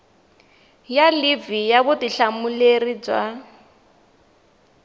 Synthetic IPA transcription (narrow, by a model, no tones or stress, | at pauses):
jalivijaβʊtiɬamulerid͡zwa